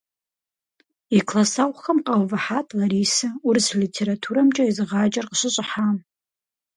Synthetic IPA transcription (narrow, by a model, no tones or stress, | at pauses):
ikʰlasawxamqʼawvaħatʼlaɾisɨurslitʰeɾatʰuɾamt͡ʃʼaizʁad͡ʒʼarqʼʂʷəɕʷʼħam